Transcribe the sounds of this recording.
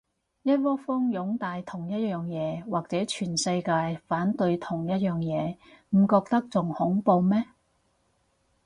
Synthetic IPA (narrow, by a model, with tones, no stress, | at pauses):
jɐ˥t̚wɔː˥fɔː˥ŋjʊ˨˥ŋt̪aː˨˧jt̪ʰʊ˨˩ŋjɐ˥t̚jœː˨ŋjɛː˨˧waː˨k̚t͡sɛː˨˥t͡ʃʰyː˨˩nsɐ˧jkaː˧jfaː˨˥nt̪ɵ˧ɥt̪ʰʊ˨˩ŋjɐ˥t̚jœː˨ŋjɛː˨˧m̩˨˩kɔː˧k̚t̪ɐ˥k̚t͡sʊ˨ŋhʊ˨˥ŋpo˧wmɛː˥